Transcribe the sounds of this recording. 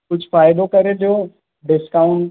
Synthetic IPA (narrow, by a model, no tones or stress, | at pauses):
kʊd͡ʑʱʊfaːɪd̪okɐɾed͡ʑoː | ɖɪskaʊ̃ɳʈ